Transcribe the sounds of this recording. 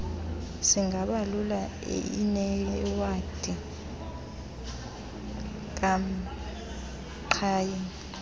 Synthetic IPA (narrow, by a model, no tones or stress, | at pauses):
siŋʱaɓalula | ḛḭnɛwad̥ʱi | k̬am̩ | ǃʰaːjini